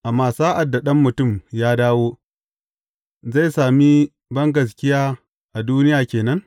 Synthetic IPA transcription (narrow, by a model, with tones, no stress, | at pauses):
ʔa˨mːaː˦saː˦ʔa˨dːa˨ɗɐ˦mːʊ˨tʊ˦˨mjaː˦daː˦woː˦ | za˦˨jsaː˨mi˦ | bɐ˦ŋɡɐ˨s̬kʲɪ˦jaː˦ | ʔa˨duː˦nɪ˦jaː˨kʲeː˨nɐ˦ŋ